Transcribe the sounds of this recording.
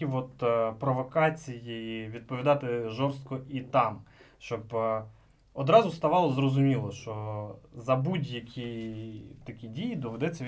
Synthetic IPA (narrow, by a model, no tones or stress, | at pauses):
iʋɔt̪pɾɔʋɔkɑt͡sʲijiʋʲid̪̚pɔʋʲid̪ɑt̪ɪʒɔrst̪̚kɔʔit̪ɑmʃt͡ʃɔb | ɔd̪ɾɑzʊst̪ɐʋɑlˠɔzrɔzʊmʲilˠɔʃt͡ʃɔzɐbudʲjɐkʲi | t̪ɐkʲidʲijid̪ɔʋɛd̪ɛt͡sʲːɐ